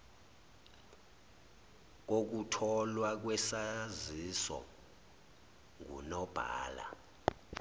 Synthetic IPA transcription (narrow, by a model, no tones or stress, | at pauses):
k̬ok̬utʰɔlwak̬wɛsazisɔ̰ | ŋṵnɔb̥ʱa̰ːla̰